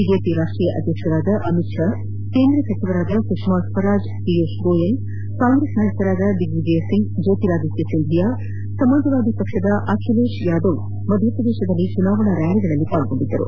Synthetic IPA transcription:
bid͡ʒeːpiɾaːʂʈɾiːjɐʔɐ̰d̪ʱjɐkʂɐɾaːd̪ɐʔɐmitʂa | keːnd̪ɾɐsɐt͡ʃiʋɐɾaːd̪ɐkɾuʂmaːsfɐɾaːd͡ʒ | pieʃɾoːjɐŋ | kaːŋɡɾeːsnajɐt̪ɐɾaːd̪ɐɖiɡʋid͡ʒesiŋɡd͡ʒeːt̪iɾaːd̪isjɐsind̪ʱijaː | sɐmɐnd̪ʱɐʋaːd̪ipɐkʂɐd̪ɐʔaːkʰileːʃjaːd̪ɐw | mɐd̪ʱjɐpɾɐd̪eːʃɐd̪ɐlːit͡ʃunaːʋɐɳɐɾɐːɳiɡɐɭɐlːipaːɭɡoɳɖid̪ːɐ̰ɾṵ

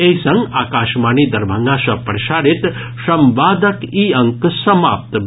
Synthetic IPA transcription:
eisɐ̃ŋɡaːkaːʃmaːniːd̪ɐɾbʱɐŋɡasɐpɾɐʃaːɾit̪ | sɐmʋaːd̪ɐkiːɐ̃ŋksɐma̰ːp̚t̪

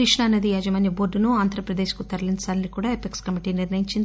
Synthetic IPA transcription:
ɾiʂɳaːnːɐd̪iɐd͡ʒɐmɐːnjɐboːɾɖunuaːnd̪ʱɾɐpɾɐd̪eːʃkut̪ɐɾlint͡ʃaːlɐnikuːɽaːepekskɐmiʈiniɾnɐjiɲt͡ʃind̪

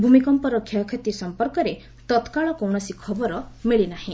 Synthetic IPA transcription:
bʱumikɔmpɔɾɔkʰjɔkʰet̪isɔmpɔɾkɔɾe | t̪ɔt̪kaɭɔkɔwɳ̃ɔsikʰɔbɔɾɔmiɭinahĩ

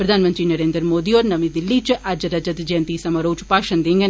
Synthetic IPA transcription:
pɾɐd̪ʱaːnmənt̪ɾiːnɐɾeːnd̪ɾəmoːd̪iɔːɾnɐʋĩd̪ɪlːiːt͡ʃʔɐd͡ʒɾɐd͡ʒət̪d͡ʒẽnt̪iːsɐmɐɾoːt͡ʃpaːʃənd̪iŋɡ

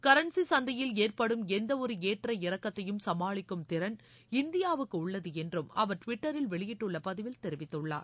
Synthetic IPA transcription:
kɐɾɐɳsisɐnd̪ɐjɪleːrpɐɽɯmɛnd̪ɐɔɾɯeːʈrɐɪɾɐkːɐt̪ːɐjɯmsɐmaːɭɪkːɯmt̪ɪɾɐn | ɪnd̪ɪjaːʋɯkːɯʊɭːɐðɯɛndrɯmɐʋɐɾʈʋɪʈːɐɾɪlʋɛɭɪjɪʈːɯɭːɐpɐðɪʋɪlt̪ɛɾɪʋɪt̪ːɯɭːa̰ːɾ

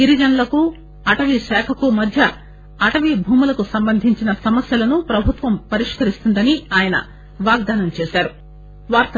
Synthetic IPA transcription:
iɾid͡ʒɐnɐlɐku | ɐʈɐʋiʃaːkʰɐkumɐd̪ʱjɐ | ɐʈɐʋibʱuːmulɐkusɐmbɐnd̪ʱiɲt͡ʃinɐsɐmɐsjɐlɐnupɾɐbʱut̪ʋɐmpɐɾiʂkɐɾist̪und̪ɐniaːjɐnɐ̰ | ʋaːɡ̚d̪aːnɐmt͡ʃɛːʃaːɾu | ʋaːɾt̪ɐ

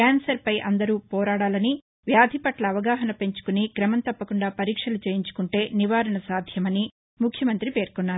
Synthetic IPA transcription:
kaːnsɐɾpɐjʔɐnd̪ɐɾuːpɔːɾaːɽaːlɐni | ʋjaːd̪ʱipɐʈlɐːʋɐɡaːɦɐnɐpe̞ɲt͡ʃu̥kuniɡɾɐmɐnt̪ɐpːɐkuɳɖaːpɐɾiːkʂɐlut͡ʃeːjiɲt͡ʃu̥kuɳʈe̞ːniʋaːɾɐɳɐsaːd̪ʱjɐmɐni | mukʰjɐmɐnt̪ɾipe̞ːɾkɔnːaːɾu

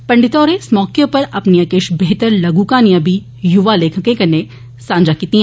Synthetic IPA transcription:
pɐ̃ɳɖɪt̪ɔːɾẽsmɔːkjõpɐɾɐpniɐkeːʃbeɦt̪əɾlɐɡuːkanijəbʱi | jʊʋaleːkʰəkẽkɐne | sãːnd͡ʒakiːt̪iɦ

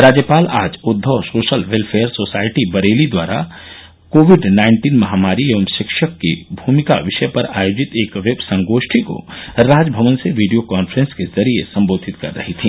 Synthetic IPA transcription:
ɾaːd͡ʒjəpaːlaːd͡ʒʊd̪ʱːosoːʃəlʋelpʰeːəɾsoːsaːɪʈibɐɾeːlid̪waːɾa̰ | koːʋɪɖnaːɪɳʈiːnmɐɦaːmaːɾieʋəmʃɪkʃəkːḛbʱuːmɪka̰ʋɪʃəpɐɾaːjoːd͡ʒɪt̪eːkʋebsɐ̃ŋɡoːʃʈʰiko̰ɾaːd͡ʒbʱəʋənseʋiːɖijokaːnfɾə̃nskezɐɾiesɐ̃mboːd̪ʱɪt̪kɐ̰ɾːɐ̰ɦit̪ʰiː

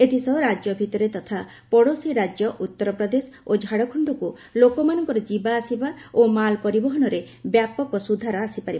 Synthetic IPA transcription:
et̪ʰisɔɾad͡ʒjɔbʱit̪ɔɾet̪ɔt̪ʰa | pɔɽosiɾad͡ʒjɔʔut̪ːɔɾɔpɾɔd̪esod͡ʒʱaɽɔkʰɔɳɖɔku | lokɔmanɔŋkɔɾɔd͡ʒibaːsibaomalpɔɾibɔɦɔnɔɾe | bjapɔkɔsud̪ʱaɾɔasipaɾiba

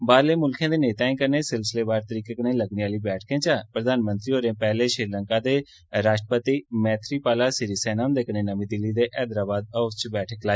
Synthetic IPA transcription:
baːɾleːmʊlkʰẽːd̪eːneːt̪aːẽkəɾneːsɪlsɪleːbaːɾt̪əɾiːkekənẽːləɡniaːliːbɛːʈʰkẽːt͡ʃapɾəd̪ʱaːnmə̃nt̪ɾioːɾẽːpɛːleːʃɾɪɾlə̃ŋkaːd̪eː | ɾaːʃʈɾəpət̪iːmɛ̃ːt̪ʰɾiːpaːlaːsɪɾisɛːnaːmd̪eːknẽːnəmĩːd̪ɪlːiːd̪eːʔɛːd̪ɾaːbaːd̪̚əʊst͡ʃbɛːʈʰəklaː

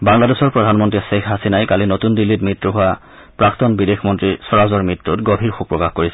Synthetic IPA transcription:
baŋladesɔɹpɹɔdʱanmɔntɹisekʰɦasinajkalinotundilːitmitɹoɦʊa | pɹaktɔnbidexʰmɔntɹisɔɹazɔɹmɹitɹutɡobʱiɹxukpɹɔkaxkoɹisɛ

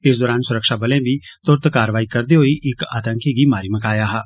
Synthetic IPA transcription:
ɪs̬d̪ɔːɾaːnsʊɾəkʃaːbɐlẽbʱit̪ʊɾt̪kaːɾəʋaːikɐɾd̪eɦoiʔʔɪka̰ːt̪ə̃ŋkiɡimaːɾiməkaːjaːɦaː

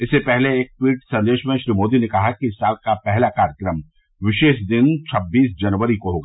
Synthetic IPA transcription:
ɪsːepɛɦleeːk̚ʈwiːʈsɐ̃nd̪eːʃmẽʃɾiːmoːd̪inekɐɦakiɪsːaːlkapɛɦlakaːɾjəkɾəm | ʋɪʃeːʃd̪ɪnt͡ʃʰɐbːiːsd͡ʒɐnʋəɾikoɦoːɡaː

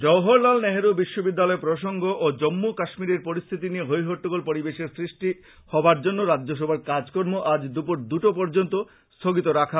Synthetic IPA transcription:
d͡ʑɔɦoɾlalnɛɦeɾubiʃːobid̪ːalɔepɾoʃoŋɡoʔod͡ʑomːokaʃmiɾeɾpoɾist̪ʰit̪̬inieɦojɦoʈːoɡolpoɾibeʃeɾsɾiʃʈi | hɔbaɾd͡ʑonːoɾadːoʃ̬obʱaɾkad͡ʑkoɾmoʔad͡ʑd̪upoɾd̪uʈopɔɾd͡ʑont̪o | st̪ʰoɡit̪̬oɾakʰa

